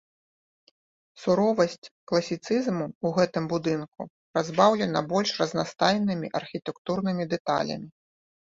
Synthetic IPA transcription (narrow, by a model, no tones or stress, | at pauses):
suɾɔvɐsʲt͡sʲklˠɐsʲit̪sɨzmuuɣɛt̪ɨmbud̪ɨnkṵ | pɾazbawlʲɛnɐbɔlʲʂrɐznast̪ajnɨmʲiʔɐrxʲit̪ɛkt̪urnɨmʲid̪ɛt̪a̰lʲɐ̰mʲi